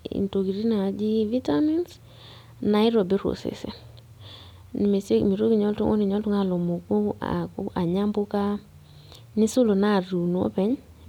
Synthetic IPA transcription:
ḭ˨nto˨ɡi˨ɾi˦na˨d͡ʒi˦vi˦tami˦ns | na˨ɪ˦ɾo˨be˦ɾo̰˨sḛ˨sḛ˨ | n˨me˨se˦mi˨ɾo˦ɡi˨ɲɔ˦ltṵ˦ŋo̰˦ni˨ɲɔ˦ltʊ˦ŋa˦˨lo˨mo˨ko˦a̰˨kʔa˨ɲa˦mbʊ˦ka˦ | nɪ˦sʊ˦lo˨na˦˨ɾu˨nu˨ɔ̰˦pɛ˨˦ɲ

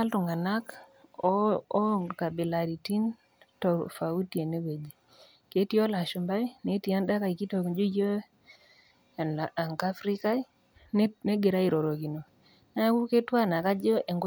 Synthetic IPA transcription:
a˦ltu˨ŋɡa˨na˦k | ka˨bi˨la˨ɾi˨ti˦n | tɔ˨fa˨u˦ti˦e˨ne˦we˨d͡ʒi˨ | ke˨˦ti˦o˦la˨ʃu˨mba˦i˦ne˨˦ti˨a˦nda˦ka˨i˨ki˦to˨kd͡ʒo˦jo˦˨ | n˨a˨ŋka˦fɾi˦ka˦i˦ | ne˦ɡe˨ɾa˦i˨ɾo˨ɾo˨ki˨no˨ | na˦ku˦ke˦twa˦na˨ka˦d͡ʒɔ˦ʔe˨ŋɡo˦

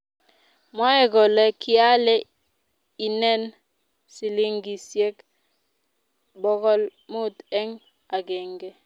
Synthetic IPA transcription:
ma˦ɛ˦˨ɡɔ˨lɛ˦kɪ˦a˦lɛ˦ | i˨nɛ˦n | si˨li˦ŋɡi˨sje˦k | bɔ˦kɔ˦lmʊ˦t̪ɛ˦ŋ | a˨ɡɛ˨ŋɡe˦

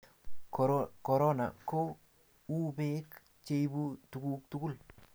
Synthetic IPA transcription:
kɔ˨ɾɔ˦na̰˨ko˦ | u˦be˦k | t͡ʃe˦jbu˦tu˨ku˦k̚t̪ʊ˦kʊ˦l

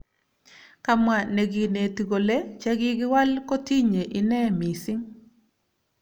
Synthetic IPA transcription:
ka˨mwa˨ne˨ɡi˨ne˨ti˨ɡo˨le˦t͡ʃa˦ɡɪ˦ɡɪ˦wa˦lko˦ti˦ɲe˨ʔɪ˨nɛ˦mi˨sɪ˦ŋ

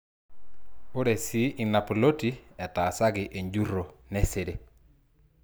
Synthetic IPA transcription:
o˦ɾe˨si˦ʔɪ˨na˨po˨lo˦ti˨ɛ˨ta˨sa˦ɡɪ˨ʔe˨ɲd͡ʒu˦ro˨nɛ˦se˨de˦

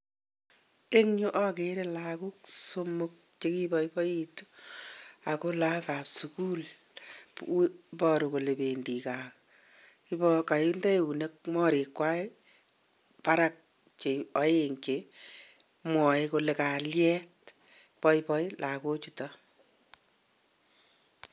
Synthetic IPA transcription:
e˦ŋɲu˦ʔɔ˦keɾe˦laku˦kso˦mʊk̚t͡ʃe˦ki˦bɔ˦ipɔ˦i˦tu̥˦ | a˨ko˦la˦ka˨psuku˦l | pɔ˧ɾu˨ko˨le˨pe˨ndi˨ka˨k | i˦pɔka˨jundɛ˦e˨u˨ne˦k̚mɔ˦ɾe˨kːwa˦e | pa˦ɾak̚ | t͡ʃe˨ɔ˨˦je˨ŋt͡ʃe | mwɔ˨eko˧le˨ka˨ljɛ˦t | pɔ˦ipɔ˦ilʔa˨ko˦t͡ʃutɔ

